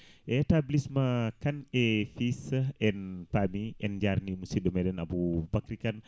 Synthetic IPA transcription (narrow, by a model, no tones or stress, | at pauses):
ʔɛtablismakanɛfisɛnpamiʔɛnd͡ʒaɾnimusidɔmɛdɛnabubakɾikan